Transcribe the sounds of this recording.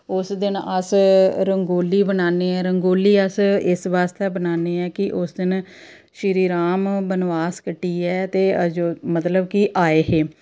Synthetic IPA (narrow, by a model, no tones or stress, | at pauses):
ʊsd̪ɪnəsɾəŋɡoːlːiːbənaːneːɛːɾəŋɡoːliːəsɪsʋaːst̪ɛːbənaːneːɛːkɪʔʊsd̪ɪn | ʃɪɾiːɾaːmbənʋaːskəʈːiːɛːt̪eːəd͡ʒoːmət̪ləbkiʔaːeːɦeː